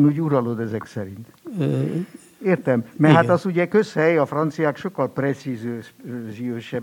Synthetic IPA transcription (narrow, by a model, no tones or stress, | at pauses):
nuːɟuɾɒlo̞d̪ɛzɛksɛɾint̪ | eːrt̪ɛmmɛɦaɒzuɟɛkøshɛjɒfrɒnt̪sijaːkʃo̞kːɒlprɛt̪sizøːʃzijøːʃɛ